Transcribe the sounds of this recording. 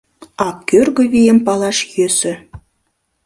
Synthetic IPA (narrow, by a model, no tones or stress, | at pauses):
ɑkːørɣɘ̆βijempɑlˠɑʃjøsɘ̆